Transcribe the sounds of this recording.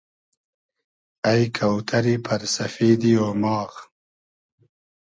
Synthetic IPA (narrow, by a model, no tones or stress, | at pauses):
ajkʰawt̪ʰaɾipʰaɾsɐfeːd̪ioːmɑːɣ